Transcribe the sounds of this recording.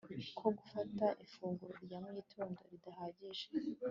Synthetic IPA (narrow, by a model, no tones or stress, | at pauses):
kʰo̞ɡufataʔifuːŋɡuɾoɾjamŋiːtʰoːndo̞̰ɾidahaːɟiʒe